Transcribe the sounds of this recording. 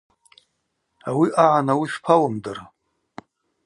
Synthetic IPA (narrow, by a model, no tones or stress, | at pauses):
awiʔaʕanawiʃpʰawamdara